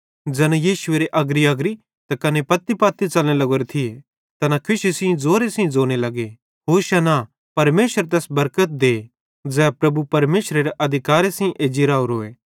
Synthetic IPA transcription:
d͡ʒɛːnẽjiːʃʊeːɾeʔɐɡɾiɐɡɾi | t̪akɐnepɐt̪ːipaːt̪ːit͡ʃɐlnelɐɡoːɾet̪ʰie | t̪ɐnakʰɪʃisĩĩd͡zoːɾesɪ̃ĩd͡zoːɽ̃elɐɡe | ɦoːɾʃɐna | pɐɾmeːʃəɾt̪̬ɛːsbɐɾkət̪̚d̪eː | d͡zɛːpɾɐbupɐɾmeːʃɾeɾeʔɐd̪ʱɪkaːɾesĩĩʔeːd͡ʒiɾaːuɾoːeː

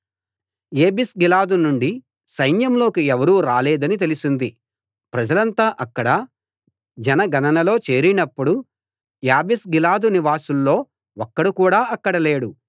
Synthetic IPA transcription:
e̞ːbisɡilaːd̪unuɳɖi | sɐjnjɐmlo̞ːkiɛʋɐɾuːɾaːleːd̪ɐnit̪e̞lisind̪i | pɾɐd͡ʒɐlɐnt̪aːʔɐkːɐɽɐ | d͡ʒɛnɐɡɐnɐnɐlo̞ːt͡ʃe̞ːɾinɐpːuɽu | jaːbisɡilaːd̪uniʋaːsulːo̞ː | ɔkːɐɽukuːɽaːɐkːɐɽɐleːɽu

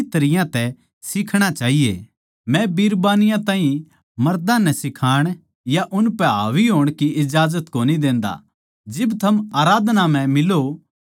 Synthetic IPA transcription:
t̪ɐɾɪjãt̪ɛ | sɪkʰɽ̃at͡ʃaːɦijḛ | mɛ̃biːɾbaːnɪjãt̪ãːɦĩ | mɐɾd̪ãnɛsɪkʰaːɽ̃ | jaʔʊnpɛɦaːʋiɦoːɽ̃kiʔɪd͡ʒaːzət̪koːnid̪ẽːnd̪a̰ | d͡ʒɪbt̪ʰɐmaːɾaːd̪nam̤ɛ̃mɪlo

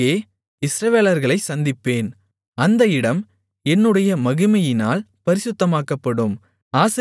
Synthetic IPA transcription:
eː | ɪsɾɐʋeːlɐɾɣɐɭɐɪsɐnd̪ɪpːeːn | ɐnd̪ɐɪɽɐm | ɛnːɯɽɐjɐmɐɣɯmɐjɪnaːl | pɐɾɪsʊt̪ːɐmaːkɐpːɐɽɯm | aːsɐ

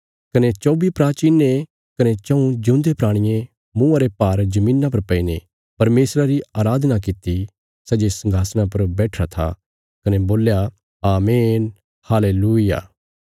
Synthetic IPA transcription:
kɐnet͡ʃoːbipɾaːt͡ʃiːnːe | kɐnet͡ʃɐ̃ũd͡ʒʊ̃ːnd̪epɾaːɽ̃ɪjẽ | mũɐɾepaːɾd͡ʒɐmĩːnːap̬ɐɾpɐine | pɐɾmeːsɾaɾiaːɾaːd̪ʱnak̬ɪt̪ːi | sɛːd͡ʒesɐ̃ŋɡʱaːsñãpɐɾbɛːʈʰat̪ʰa̰ | kɐneboːlja | aːmeːn | haːleːluːɪja̰ː

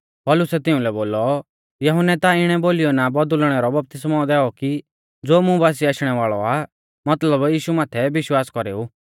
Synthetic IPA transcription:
pɔlʊsɛt̪ɪʊ̃lɛboːlɔ | jɐɦʊnɛt̪aɪɽ̃ɛboːlijɔnabɔd̪ʊlɽ̃ɛɾɔbɐp̚t̪ɪsmad̪ɛːɔki | d͡zoːmʊ̃baːs̬iaːʃɽ̃ɛʋaːɭɔa | mɐt̪ləbjiːʃumaːt̪ʰɛʋɪʃwaːskɔɾḛːu

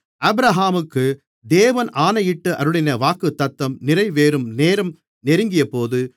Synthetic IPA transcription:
ɐbɾɐɦaːmɯkːɯ | d̪eːʋɐnaːnɐjɪʈːɯʔɐ̰ɾɯɽɪnɐʋaːkɯt̪ːɐt̪ːɐmnɪɾɐɪʋeːɾɯmneːɾɐm | nɛɾɯŋɡɪjɐpoːðɯ

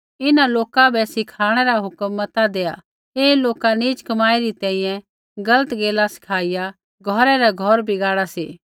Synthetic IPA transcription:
ɪnaloːkabɛsɪkʰaːɽ̃ɛɾaɦʊkəmːət̪ad̪eːja | eːloːkaniːd͡ʒkɐmaːeɾit̪ɛ̃ĩjɛ̃ | ɡɐlət̪ɡeːlasɪ̥kʰaːɪja | ɡʱɔːɾɛɾaɡʱɔɾbʱiɡaːɽasḛː

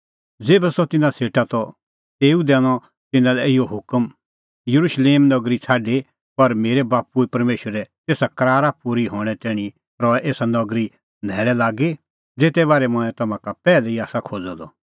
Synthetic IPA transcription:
d͡zeːbɛsɔt̪ɪnãseːʈat̪ɔ | t̪eːud̪ɛːɽ̃ɔ | t̪ɪnãlɛɪjoɦʊkəm | jɐɾuʃleːmnɔɡɾit͡sʰaːɖe | pɐɾmeːɾɛbaːpuepɐɾmeːʃəɾɛt̪eːsakɐɾaːɾapuɾiɦoːɽ̃ɛt̪ɛ̃ːɽ̃i | ɾɔɛʔeːsanɔɡɾi | nʱɛːɭɛlaːɡe | d͡zeːt̪ɛbaːɾɛmɔ̃ɛ̃t̪ɐmãkapɛːlɛiaːsakʰoːd͡zɔd̪ɔ

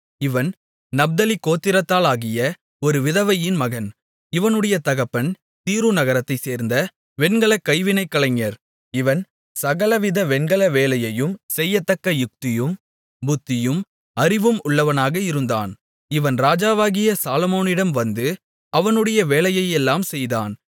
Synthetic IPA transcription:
ɪʋɐn | nɐb̚d̪ɐlɪkːoːt̪ːɪɾɐt̪ːaːlaːɣɪjɐ | ɔɾɯʋɪðɐʋɐjɪnmɐɣɐn | ɪʋɐnɯɽɐjɐt̪ɐɣɐpːɐn | t̪iːɾunɐɣɐɾɐt̪ːɐɪseːɾnd̪ɐ | ʋɛnɡɐɭɐkːɐɪʋɪnɐɪkːɐɭɐŋɐɾ | ɪʋɐn | sɐɣɐlɐʋɪðɐʋɛnɡɐɭɐʋeːlɐjɐjɯmsɛjːɐt̪ːɐkːɐjʊk̚t̪ɪjɯm | bʊt̪ːɪjɯm | ɐɾɪʋɯmʊɭːɐʋɐnaːɣɐɪɾɯnd̪a̰ːn | ɪʋɐnɾaːd͡ʒaːʋaːɣɪjɐsaːlɐmoːnɪɽɐmʋɐnd̪ɯ | ɐʋɐnɯɽɐjɐʋeːlɐjɐjɛlːaːmsɛjðaːn

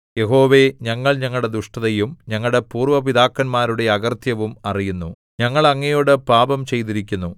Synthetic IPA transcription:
je̞ɦo̞ːʋe̞ɲɐŋːɐɭɲɐŋːɐɭɽe̞d̪uʂʈɐðɐjumɲɐŋːɐɭɽe̞puːrʋɐpiðaːkːɐnmaːɾuɽe̞ɐɣɐrt̪ʰjɐʋumɐrijunːu | ɲɐŋːɐɭɐŋːɐjo̞ːɽɨpaːbɐmt͡ɕe̞jt̪iɾikʲːunːu

